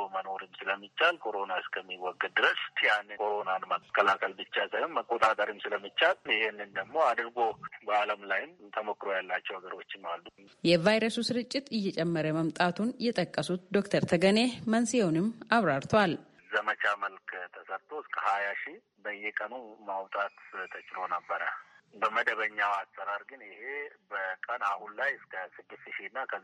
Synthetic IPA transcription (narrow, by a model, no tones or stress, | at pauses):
məno̞ɾɨmsɨləmːit͡ʃːalkʰo̞ɾo̞naɨskʰəmːiwɔɡːɨdd̪ɨɾəsjanɨkʰo̞ɾo̞nanməkʰːəlakʰəlbɨt͡ʃːasəmːəkʼːot̪ʼat̪ʼəɾɨmsɨləmːit͡ʃːaljɪhenːɨnd̪əmːo̞ad̪ɨɾɡo̞bəaləmlajɪmt̪ʰəmokːɾojalːat͡ʃːɛwhəɡəɾo̞t͡ʃːɪmalːu | jɛvajɾəsusɨɾɨt͡ʃʼːɪt̪ɨjːɛt͡ʃʼɛmːəɾəməmt̪ʼat̪ʰunjɛt̪ʼəkʼːəsut̪d̪o̞kt̪ʰəɾt̪ʰəɡənemənsijɛwnɨmːaβɾaɾt̪ʰwal | zəmət͡ʃaməlkt̪ʰəsəɾt̪ʰoɪskʰəhajaʃi | bəjːɛkʼənumawt̪ʼat̪t̪ʰət͡ʃʼɪɾo̞nəbːəɾəbəməd̪əβəɲːawasʼːəɾaɾɡɨnɪhe̞bəkʼənahunlajskʰəsɨd̪ːɨst̪ʃinːakʰə